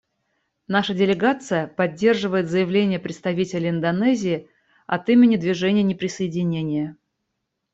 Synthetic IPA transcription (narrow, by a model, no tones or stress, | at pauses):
naʂədʲɪlʲɪɡat̪sɨjəpɐdʲːe̞rʐɨvəjɪt̪zəjɪvlʲenʲɪjəpɾʲɪt̪st̪ɐvʲitʲɪlʲɪɪnd̪ɐnɛzʲɪː | ɐ̰t̪imʲɪnʲɪd̪vʲɪʐɛnʲɪjənʲɪpɾʲɪsəɪdʲɪnʲenʲɪjə